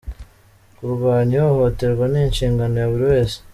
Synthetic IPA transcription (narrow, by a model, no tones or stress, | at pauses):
kuɾɡwaːɲioho̞te̞ɾɡwaninʃiːŋɡanojaβuɾiwe̞ːse̥